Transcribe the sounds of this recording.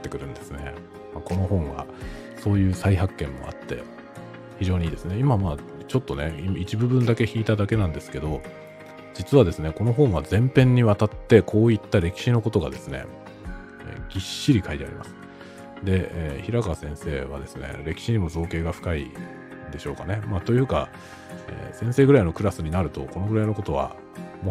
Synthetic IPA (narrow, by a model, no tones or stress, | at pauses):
t̪ːe̞kɯ̟ɾɯ̟̃nd̪e̞sɨne | mako̞no̞ɦõ̞ɰ̃ɡa̰ | so̞ːjɯ̟ːsaiɦakːẽ̞mːo̞̰a̰t̪ːe̞̰ | çiʑo̞ːɲ̟iːd̪e̞sɨne̞imamaː | t͡ɕo̞t̪ːo̞ne̞imit͡ɕibɯ̟bɯ̃nd̪ake̞çiːt̪ad̪ake̞nãnd̪esɨ̥ke̞d̪o̞ | d͡ʑit͡sɨβad̪e̞sɨne̞ko̞no̞ɦõ̞ɰ̃βazẽ̞mpẽ̞ɲ̟ːiβat̪at̪ːe̞kʰo̞ːit̪ːaɾe̞kʲi̥ɕino̞ko̞t̪o̞ɡa̰d̪e̞sɨne̞̰ | ɡʲiɕːiɾʲikait̪ea̰ɾʲḭma̰sɨ̥ | d̪e̞çiɾakasẽɰ̃se̞ːβa̰d̪e̞sɨne̞̰ɾe̞kʲi̥ɕiɲ̟imo̞zo̞ːke̞ːɡaɸɯ̥kaḭ | d̪e̞ɕo̞ːkane̞maːt̪o̞jɯ̟ːka | ḛːsẽ̞ɰ̃se̞ːɡɯɾaino̞kɯ̟ɾasɨɲ̟inaɾɯ̟t̪o̞ko̞no̞ɡɯɾaino̞kot̪o̞βa̰ | mo